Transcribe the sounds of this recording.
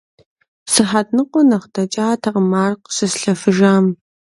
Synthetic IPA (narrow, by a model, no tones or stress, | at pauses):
sɨħatnɨqʷʼɔnɐχtʰɐt͡ʃʼaːtʰɐqmaːrqʷsɨsɬɐfɨʒaːm